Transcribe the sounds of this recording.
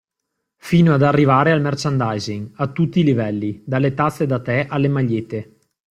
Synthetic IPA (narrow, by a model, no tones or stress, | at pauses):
fiːnoad̪arːivaːɾealmɛrt͡ʃand̪ajziŋat̪ːut̪ːilivɛlːid̪alːet̪at̪sːed̪at̪ɛʔalːemaʎːet̪e